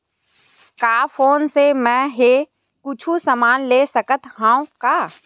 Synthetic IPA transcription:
kaːfoːnsemɛ̃ːɦe | kʊt͡ʃʰusəmaːnleːsəkət̪ɦãːõkaː

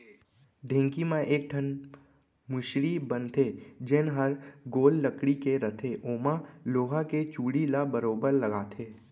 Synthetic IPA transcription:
ɖʱẽːŋkimãʔeːk̚ʈʰən | mʊʃɾibə̃nt̪ʰed͡ʒɪnɦəɾɡoːlːəkɽikeɾɐt̪ʰeʔoːmãloːɦaket͡ʃuːɽilabəɾoːbəɾlɐɡaːt̪ʰeː

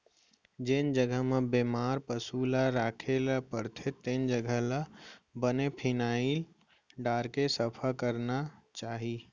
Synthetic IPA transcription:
d͡ʒend͡ʒəɡəɦmebemaɾpəsulaɾakʰelpəɾt̪ʰet̪end͡ʒəɡʱələbənepʰinail | ɖaɾkesəpʰəkəɾnat͡ʃaɦi

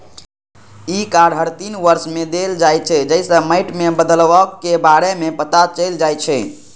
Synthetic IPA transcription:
ikaɽɦəɾt̪inʋəɾsmed̪eld͡ʒajt͡ʃʰɛd͡ʒəɪsə̃məɪʈmebəd̪əlʋəkːebaɽemepət̪at͡ʃəld͡ʒajt͡ʃʰɛ

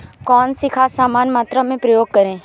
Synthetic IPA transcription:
kɔːnsɪkʰaːsaːmaːnmaːt̪ɾamẽpɾəjoːɡ̚kəɾẽː

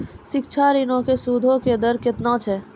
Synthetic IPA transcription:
ʃɪkt͡ʃʰaːɾɪnõkesuːd̪ʱõked̪əɾkɪt̪nãt͡ʃʰɛː

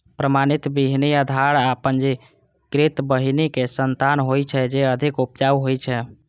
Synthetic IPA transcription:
pɾəmanit̪biɦnijəd̪ʱaɾapənd͡ʒe | kɾet̪bəɦinikesənt̪anɦojt͡ʃʰɛd͡ʒeəd̪ʱikupjawɦojt͡ʃʰɛ

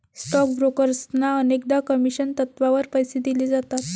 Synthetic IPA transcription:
sʈɔk̚bɾokəɾsnaənekd̪akəmiɕənt̪ət̪ʋaʋəɾpəjsed̪ilid͡zat̪at̪

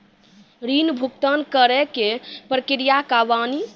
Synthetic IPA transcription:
ɾinbʱukt̪ənkəɾɛkepɾəkɾijakaʋani

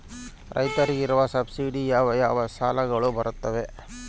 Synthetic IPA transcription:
ɾɐ̰jt̪ɐɾiɡiɾuʋɐsɐbsiɖijaːʋɐjaːʋɐsaːlɐɡɐɭubɐɾut̪ːɐʋe

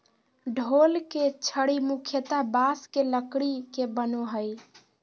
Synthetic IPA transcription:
ɖʱolket͡ʃʰəɽimukʰjət̪abaskeləkɽikebənoɦəj

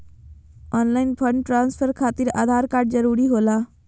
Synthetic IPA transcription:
ɔːnlaːɪnpʰəɳɖʈɾaːnspʰəɾkʰaːt̪ɪɾa̰ːd̪ʱaːɾkaːɾɖ̚zəɾuːɾiɦoːlaː

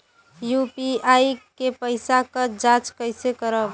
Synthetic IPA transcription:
jupiaːikepəɪsakad͡ʒat͡ʃkəɪsekəɾəb

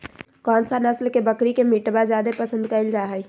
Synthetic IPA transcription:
kɔːnsanəslkebəkɾikemiʈbad͡ʒjaːd̪epəsə̃nd̪kəɪld͡ʒaɦɛj

